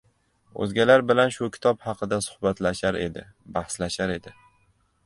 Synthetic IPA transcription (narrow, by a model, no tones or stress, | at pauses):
ɵ̰zɡʲalaɾbɪlanʃʊkʲʰɪ̥t̪ʰɒphɑqʰɨd̪asʊ̥hbat̪laʃaɾe̞̰d̪ɪ̰ | bahslaʃaɾe̞d̪ɪ